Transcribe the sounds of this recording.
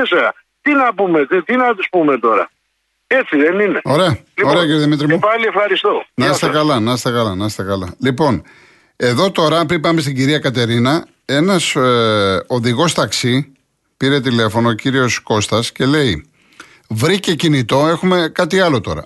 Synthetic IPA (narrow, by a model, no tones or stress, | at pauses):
eseɐ̰ | t̪inɐpumet̪t̪inɐt̪uspume̞t̪o̞ɾɐ̰ | e̞t͡siðenineo̞ɾe̞ɐlioeɐciɾoðimit̪ɾimupɐliefxɐɾist̪onɐst̪ekɐlɐnɐst̪ekɐlɐnɐst̪e̞kɐlɐlipo̞n | e̞ðo̞t̪o̞ɾɐpɾipɐme̞st̪iɟiɾiɐkɐt̪̬e̞ɾinɐ | e̞nɐs | o̞ðiɣo̞st̪ɐksi | piɾe̞t̪̬ile̞fo̞noːciɾio̞sko̞st̪ɐsce̞le̞i | vɾice̞cinit̪o̞e̞xume̞kɐt̪iɐlo̞t̪o̞̰ɾɐ̰